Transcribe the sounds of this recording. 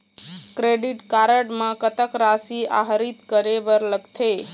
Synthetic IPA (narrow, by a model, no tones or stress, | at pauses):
kɾeɖiʈkaɾəɽməkət̪əkɾasia̰ɦəɾit̪kəɾebəɾləɡt̪ʰe